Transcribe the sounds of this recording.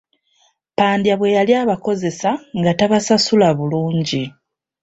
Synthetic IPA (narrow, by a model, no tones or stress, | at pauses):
paːndjaβwe̞jaljaːβako̞ze̞saŋɡataβasasulaβuluːɲɟi